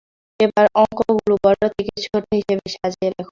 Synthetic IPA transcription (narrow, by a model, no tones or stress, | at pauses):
ebaɾʔɔŋkoɡulubɔɾːot͡ɕikit̪ʃoɾt̪ʰeɦiʃebeʃad͡ʑielɛkʰo